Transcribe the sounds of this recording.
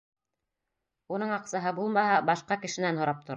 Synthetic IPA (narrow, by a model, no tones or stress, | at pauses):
unɤɴɑqsɑɦɤbulˠmɑɦɑbɑʃqɑkɘ̆ʃɘ̆nænhŏɾɑp̚t̪ŏɾ